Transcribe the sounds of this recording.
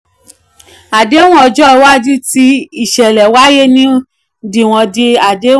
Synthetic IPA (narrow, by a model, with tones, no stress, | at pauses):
a˨de˨˦w̃ɔ̃˦ɔ˧d͡ʒɔ˦˧wa˦d͡ʒi˦ti˦i˦˨ʃɛ˨lɛ˨wa˦je˦nĩ˦ | di˨w̃ɔ̃˧de˧a˨de˨˦